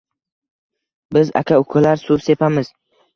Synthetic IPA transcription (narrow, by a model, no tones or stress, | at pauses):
bɪza̰kʲʰaʊkʰʊlaɾsʊbse̞pʰamɪz̥